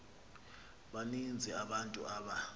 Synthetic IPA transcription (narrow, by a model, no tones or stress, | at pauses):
ɓanind͡zʱɛaɓantʼṵʔaːɓa